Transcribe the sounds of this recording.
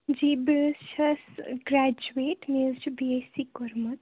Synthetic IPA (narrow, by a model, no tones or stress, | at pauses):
d͡ʒibt͡ʃʰɐsɡɾad͡ʒueʈmelt͡ʃʰibiesikɔɾmət̪